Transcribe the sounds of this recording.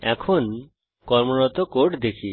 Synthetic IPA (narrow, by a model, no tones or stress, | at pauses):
ɛ̰kʰon | kɔɾmonɔt̪okoʈd̪ekʰi